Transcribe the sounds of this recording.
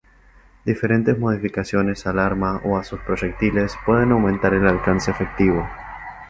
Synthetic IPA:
d̪ife̞ɾẽ̞nt̪ezmo̞ð̞ifikasjo̞ne̞salaɾmaʔoasuspɾo̞ʒek̚t̪ile̞spwe̞ðe̞nawmẽnt̪aɾelalkanseːfek̚t̪iβo̞

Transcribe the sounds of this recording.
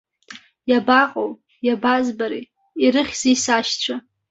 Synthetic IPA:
jabaqʼo̰w | jabazbaɾḭ | iɾɨχʲz̥ijsaʃt͡ɕʷʰa

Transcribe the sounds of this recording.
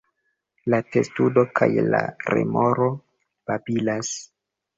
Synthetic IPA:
late̞studo̞kʰajla̰ɾḛmo̞ɾo̞ | b̥abilas

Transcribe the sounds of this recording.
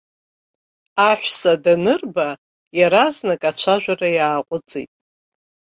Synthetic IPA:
aħᶣʷsadanɨrba | jaɾaznakʼat͡ɕʷʰaʒᶣʷarajaːqʷʼʊt͡sʼḭtʼ

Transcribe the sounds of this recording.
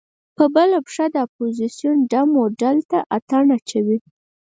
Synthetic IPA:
pəbəlapʂad̪əapozisjunɖamoɖalt̪aʔat̪aɳat͡ʃawi

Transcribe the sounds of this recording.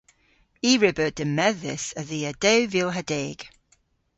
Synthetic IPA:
iːɹɪbəd̥əmɛðɪsəðiːəd̥ɛwvɪlˠɦədɛːɡ̥

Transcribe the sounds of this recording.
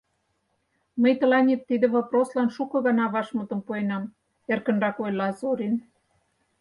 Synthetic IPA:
məjt̪ɤ̆lɑnʲet̪ːid̪ĕβɑproslɑnʃukɤ̆ɣɑnɑβɑʃmɤ̆t̪ɤ̆mpuenɑm | erkə̆nrɑkojlɑzoɾʲin

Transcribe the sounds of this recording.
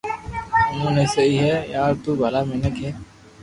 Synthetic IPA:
ʊmũnesɐiɦɛjaːɾt̪ubʱɐlamɪnəkɦɛː

